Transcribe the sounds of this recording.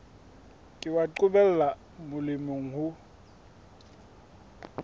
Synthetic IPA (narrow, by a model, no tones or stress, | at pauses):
kʼɪwaǃʊbɛl̩la | mʊlɪmeŋ̩ɦʊ